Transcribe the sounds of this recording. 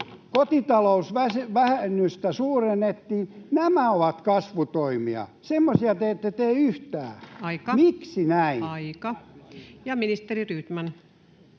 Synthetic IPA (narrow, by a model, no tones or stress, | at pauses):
kot̪it̪ɑlousʋæseʋæhenːyst̪æsuːrenːet̪ːiːnæmæoʋɑt̪kɑsʋut̪oimiɑ̰semːosiɑt̪eːt̪ːet̪eːyht̪æ̰ːɑikɑmiksinæinikɑ | jɑminist̪eriryt̪mæn